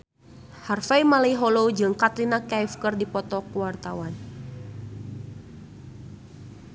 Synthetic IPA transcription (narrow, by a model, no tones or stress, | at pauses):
harfajmalejɦɔlod͡ʒɨŋkat̪ɾinakajfkərdipɔt̪ɔkuwart̪awan